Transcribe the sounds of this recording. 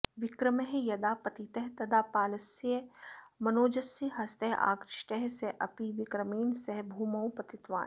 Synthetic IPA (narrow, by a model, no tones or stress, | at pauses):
ʋɪkɾɐmeɦjɐd̪aːpɐt̪it̪ɐɦt̪ɐd̪aːpaːlɐsemɐnoːd͡ʒɐsiɦɐst̪ɐɦʔa̰ːkɾɪʃʈɛɦseʔɐpiʋɪkɾɐmiːnsɐɦbʱuːmɐwpɐt̪it̪ʋa̰ːn